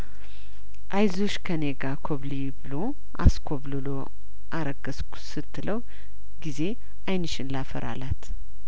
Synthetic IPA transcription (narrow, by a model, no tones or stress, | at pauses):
ʔajzoʃkʰəne̞ɡakʰoβlibɨlo̞ | ʔa̰skʰo̞βlɨlo̞ | ʔaɾəɡəsksɨt̪ʰːɨləw | ɡize̞ | ʔajnɨʃɪnlafə̰ɾʔa̰lat̪